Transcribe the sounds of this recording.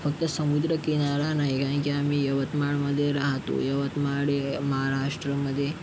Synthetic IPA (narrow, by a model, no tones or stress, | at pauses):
fək̚t̪əsəmud̪ɾəkinaɾanaɦikaə̃kiamijɐʋət̪maɭməd̪ʱːjeɾaɦt̪o̰jɐʋət̪maɽeməɦaɾaʂʈɾəməd̪ʱːje